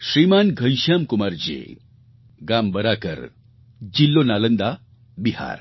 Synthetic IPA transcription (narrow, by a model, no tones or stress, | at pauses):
sɾimanɡʱə̃jʃjamkumaɾd͡ʑḛ | ɡambəɾakə̰ɾ | d͡ʑilːonalənd̪a | biha̰ɾ